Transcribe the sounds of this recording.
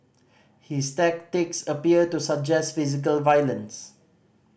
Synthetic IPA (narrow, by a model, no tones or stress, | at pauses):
histɛk̚tiksəpiətusak̚d͡ʒɛstfizik̬əlvajlə̃ns